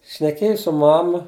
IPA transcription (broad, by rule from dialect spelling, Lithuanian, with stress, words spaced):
ʃʲnʲɛˈkʲeːjʊ sʊ ˈmɑːmɐ